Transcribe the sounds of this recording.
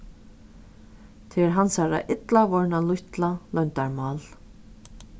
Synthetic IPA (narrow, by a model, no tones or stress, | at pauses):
t̪ʰɛɾɦansaɾa̰ʔɪt̪lavɔɹnalʊjçt̪lalœjnt̪aɹmaːl